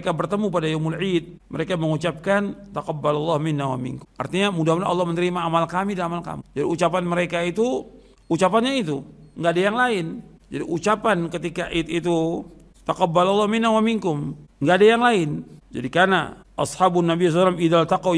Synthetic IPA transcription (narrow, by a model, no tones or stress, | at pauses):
kabərt̪əmup̬adajamʊlʕit̪̚ | məɾekaməŋut͡ʃap̚kant̪aqabːalalːahmɪnːawa̰mḭŋkʊa̰rt̪iɲamudamuda̰ʔɑ̰lːɑhmənəɾimaːmalkamidanamalka̰md͡ʒadiut͡ʃapanməɾekait̪u | ut͡ʃapanɲait̪uŋɡaːdajaŋlaɪnd͡ʒa̰diut͡ʃapankət̪ikaʔit̪it̪u | t̪aqabːalɑlːɑhmɪnːawamiŋkʊmŋɡadajaŋlaɪnd͡ʒa̰dikana̰ʔɑshabunːabisɔsalamidalt̪aqaw